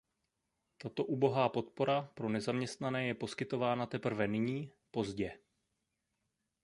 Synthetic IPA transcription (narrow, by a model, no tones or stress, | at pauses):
t̪at̪o̞ʔuːbo̞ɦaːpo̞t̪̚po̞ɾapɾo̞nɛzamɲɛst̪nanɛːjɛpo̞skɪt̪o̞vaːnat̪ɛpr̩vɛnɪɲiː | po̞zɟɛ